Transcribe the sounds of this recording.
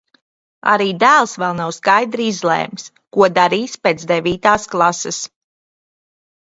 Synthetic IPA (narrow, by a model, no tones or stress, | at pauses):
a̰ɾiːd̪æːlˠsvɛlˠnawskajd̪ɾiizlˠɛ̰ːms | kuɔd̪aɾiːspeːt̪zd̪ɛvʲiːt̪aːsklˠasɛs